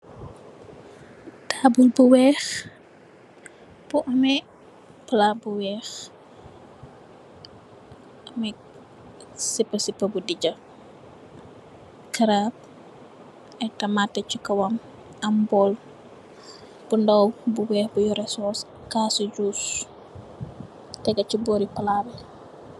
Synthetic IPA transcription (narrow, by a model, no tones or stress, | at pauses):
taːbulbuwɛx | b̥uʔɐmɛ | plabuwɛːx | ʔɐmɛ | sipːɐsipːɐbudiɟɐ | kɐɾap̚ | ɛtɐmatːɛt͡ʃukɐwɐm | ɐmbɔl | b̥undɔwbuwɛːxbujɔɾɛsɔs | kaːsiɟuːs | tɛɡɐt͡ʃibɔːɾipɐlabɛ